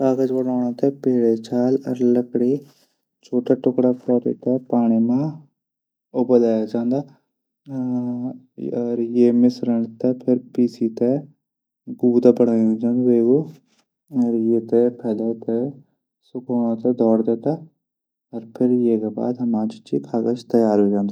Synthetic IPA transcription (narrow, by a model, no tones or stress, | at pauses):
kaːɡəd͡ʒbəɽaːɽ̃ãːt̪eːpeːɽeːt͡ʃaːlə̰ɾləkɽiː | t͡ʃʰoːʈaːʈʊkɽaːpɔːɾḭːt̪eːpaːɽ̃iːmãː | ʊbəlaːjad͡ʒãːnd̪aː | ɾjeːmɪsɾəɳt̪ɛːpʰɪɾpiːsiːt̪e | ɡuːd̪aːbəɽaːiõd͡ʒaːnd̪aeːɡoː | ɔɾjeːt̪epʰɛːleːt̪ɛ | sʊkoːɽ̃at̪ɛd̪ʱɔːɾd̪et̪aː | ɔɾpʰɪɾjeːkeba̰ːd̪ɐmãːt͡ʃɪt͡ʃikʰaːɡət͡ʃt̪əjaːɾɦoːd͡ʒãːnd̪aː